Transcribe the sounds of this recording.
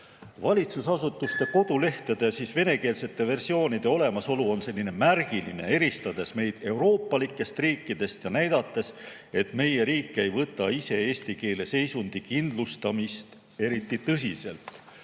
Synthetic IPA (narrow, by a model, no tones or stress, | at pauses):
vɑlʲit̪susɑsut̪ːˑust̪e̞ko̞d̪̥ule̞ht̪ed̪̥esiːsve̞ne̞ke̞ːlse̞t̪ˑːe̞ve̞rsio̞ːnid̪̥e̞o̞le̞mɑso̞luo̞nse̞lːine̞mærɡ̥iline̞̰e̞ɾist̪ɑd̪e̞sme̞jd̪̥e̞wɾo̞ːpːˑɑlikːˑe̞st̪riːkːˑid̪̥e̞st̪jɑnæjd̪̥ɑt̪ːˑe̞s | e̞t̪ˑme̞je̞ɾiːkːee̞jvɤt̪ːˑɑise̞eːst̪ike̞ːle̞se̞jsund̪̥ikind̪lust̪ɑmist̪ | e̞ɾit̪ːit̪ɤs̬ise̞̰lt̪